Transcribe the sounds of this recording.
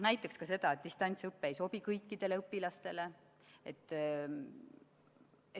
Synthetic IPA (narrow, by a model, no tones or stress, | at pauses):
næjt̪ːˑekskɑse̞d̪̥ɑet̪̚d̪ist̪ɑnʲt̪sɤpːeejso̞bikɤjkːid̪̥e̞leɯpːilɑst̪e̞le̞ | et̪ˑː | e